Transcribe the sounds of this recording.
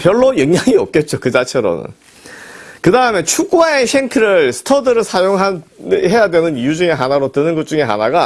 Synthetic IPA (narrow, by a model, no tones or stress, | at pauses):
pjʌɭːojʌŋɲaŋiʌp̚k͈e̞t̚t͡ɕ͈okɯd͡ʑat͡ɕʰʌɾo̰nɯ̰n | kɯdaɯme̞t͡ɕʰuɡ͈uaeɕʰeŋkʰɯɾɯɭsʰɯ̥tʰʌdɯɾɯɭsʰajoŋɦaɦe̞jadwe̞nɯnijud͡ʑuŋe̞ɦanaɾotɯnɯnɡʌt̚t͡ɕ͈uŋe̞ɦa̰naɡa